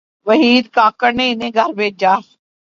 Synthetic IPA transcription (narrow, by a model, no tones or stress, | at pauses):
ʋəɦiːd̪kaːkəɾnẽːɪnẽːɡʱəɾbeːd͡ʒaː